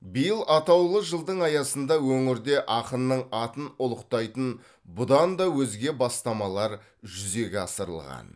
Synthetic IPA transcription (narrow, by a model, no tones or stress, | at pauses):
bijəlˠʔɑt̪ɑwlˠəʒəlˠd̪əɴɑjɑsənd̪ɑwɵŋɪɾd̪e̞ʔɑqənːəɴɑt̪ənʊlˠəqt̪ɑjt̪ən | bʊd̪ɑnd̪ɑwɵzɡʲe̞bɑst̪ɑmɑlˠɑɾ | ʒʏze̞ɡʲɪɑsəɾə̰lˠʁɑ̰n